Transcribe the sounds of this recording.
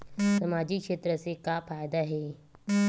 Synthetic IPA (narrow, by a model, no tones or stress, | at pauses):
səmad͡ʑikʂet̪ɾəsekafajd̪aɦe